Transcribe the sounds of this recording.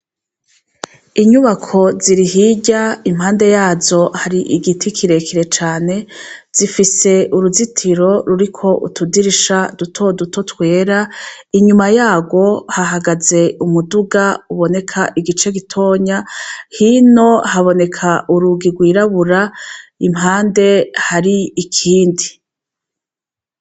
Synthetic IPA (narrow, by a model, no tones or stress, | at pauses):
iɲuβakʰo̞ziɾiɦiɟaim̥haːnde̞jaːzo̞haɾiʔiɡitʰikʰiɾe̞kiɾe̞t͡ʃaːne̞z̥ifise̞uɾuzitʰiɾo̞ɾuɾikʰo̞ʔṵtudiɾiʃadutʰo̞dutʰo̞twe̞ːɾaiɲumajaːɡwo̞haɦaɡaze̞umuduɡauβo̞ne̞kʰaʔiɡit͡ʃe̞ɡitʰo̞ːɲahino̞haβo̞ne̞kʰaʔuɾuɡiɡwiːɾaβuɾaimɦaːnde̞haɾiːkʰiːndi